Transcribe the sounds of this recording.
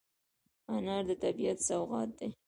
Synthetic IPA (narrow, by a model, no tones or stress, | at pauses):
anɑɾd̪ət̪abijat̪sawɣɑ̰t̪̚d̪e